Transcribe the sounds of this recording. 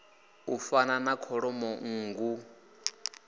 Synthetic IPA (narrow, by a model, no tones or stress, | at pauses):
ufananakʰɔɺɔmɔŋ̩ːŋɡu